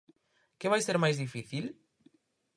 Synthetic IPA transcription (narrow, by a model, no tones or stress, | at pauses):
keβajseɾmajzðifiθil